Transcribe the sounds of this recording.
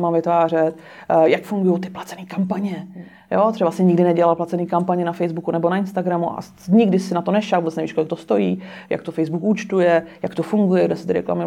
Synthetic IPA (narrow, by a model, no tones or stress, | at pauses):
mavɪt̪vaːr̝ɛt̪ | jakfuŋɡujowt̪ɪ̥plat͡sɛniːkampaɲɛ | jot̪r̥ɛbasɪɲɪɡdɪnɛɟɛlalplat̪t͡sɛniːkampaɲɛnafɛjzbukunɛbonaɪnst̪aɡɾamuʔa̰ | ɲɪɡdɪsɪnat̪onɛʃakvubɛt͡s̪nɛviʃkolɪkt̪o̞st̪o̞jiː | ja̰k̚t̪ofɛjzbukuːt͡ʃt̪ujɛjakt̪ofuŋɡujɛɡdɛsɪt̪ɪɾɛ̰kla̰mɪ